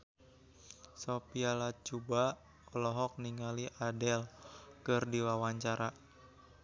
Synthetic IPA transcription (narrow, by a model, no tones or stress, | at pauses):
sopialat͡ʃuba | ɔlɔɦɔk̚niŋaliʔadɛlkɨrdiwawaɲt͡ʃaɾʔa